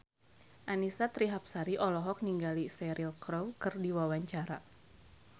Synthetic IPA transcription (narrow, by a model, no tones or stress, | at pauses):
ʔanisat̪ɾiɦap̚saɾiʔɔlɔɦɔk̚niŋɡalisɛɾilkɾowkɨrdiwawaɲt͡ʃaɾa